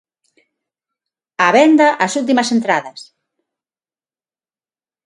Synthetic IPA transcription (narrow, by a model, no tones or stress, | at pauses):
aβɛnd̪aʔasult̪̬imɐsent̪ɾaðɐs